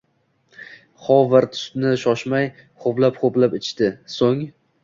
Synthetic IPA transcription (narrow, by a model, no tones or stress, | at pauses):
χɒvaɾt̪ʰʊ̥st̪nɪʃɒʃmaj | χoplapχoplapɪt͡ʃʰt̪ɪsoŋ